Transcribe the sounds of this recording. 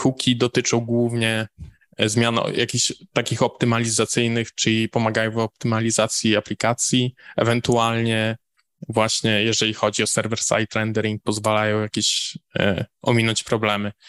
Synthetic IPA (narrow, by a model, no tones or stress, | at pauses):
xukʲid̪ɔt̪ɘt͡ʂɔ̃w̃ɡwuvɲɛ | zmʲjan̰jʔa̰kʲiɕt̪akʲixɔp̚t̪ɘmalʲizat̪sɘjnɘxt͡ʂɘlʲipɔmaɡajɔ̃w̃vɔp̚t̪ɘmalʲizat̪sʲjiaplʲikat̪sʲjiɛ̰vɛnt̪ualɲɛ | vwaɕɲɛjɛʐɛlʲixɔd͡ʑiɔsɛɾvɛɾsa̰jt̪ɾɛnd̪ɛɾiŋk̚pɔzvalajɔ̃w̃jakʲeɕ | ʔɔmʲinɔɲt͡ɕpɾɔblɛmɘ